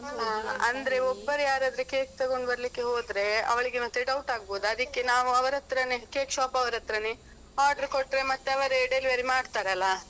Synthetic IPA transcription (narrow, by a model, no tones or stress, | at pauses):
ɦaɐ̰nd̪ɐɾeobːɐɾjaːɾaːd̪ɾekeːk̚t̪ɐɡo̞ɳɖbɐɾɐlikːeɦoːd̪ɾe̞ɐ̰ʋɐɭiɡemɐt̪ːeɖɐwuʈaːɡboːd̪uɐd̪ikːenaːʋuɐʋɐɾɐt̪ɾɐnekeːkʃaːpɐʋɐɾɐt̪ɾɐne | aːɾɖɐɾkoʈːɾe̞mɐt̪ːeɐʋɐɾeɖelʋɐɾimaːɖt̪aːɾeɐlːa